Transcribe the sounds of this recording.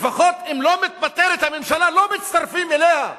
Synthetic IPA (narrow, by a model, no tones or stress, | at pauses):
faχo̞t̪imlo̞mit̪̚bat̪eɾet̪hamemʃalalo̞mit̪t͡st̪aʁfimeleha